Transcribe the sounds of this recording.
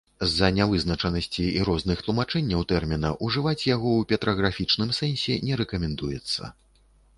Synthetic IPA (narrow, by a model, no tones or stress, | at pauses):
zɐnʲavɨznɐt͡ʂɐnɐsʲt͡sʲiiɾɔznɨxt̪lˠumat͡ʂɛnʲːɐwt̪ɛrmʲin̪ɐ̰ʔuʐɨvat͡sʲjaɣɔwpʲɛt̪ɾɐɣɾafʲit͡ʂnɨmsɛnʲsʲɛnʲɛɾɛkɐmʲɛnd̪ujɛt̪sːɐ̰